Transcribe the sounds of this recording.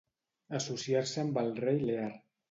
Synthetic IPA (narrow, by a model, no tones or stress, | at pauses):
əsusiaɾsəːmbəlˠrejleaɾ